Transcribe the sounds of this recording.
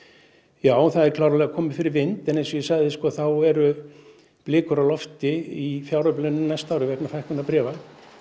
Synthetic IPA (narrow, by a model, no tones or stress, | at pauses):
jaːwθaðɛɾkʰlaːwɾalɛɣakʰɔːmɪfɪɾɪɾvɪnt̪ɛnensɔjɛsaɣðɪskɔːθawɛɾʏ | plɪːkʏɾawlɔft̪ɪifjawɾœplɛnːʏmnajst̪aːwɾɪvɛknafajhkʏnapɾɛːval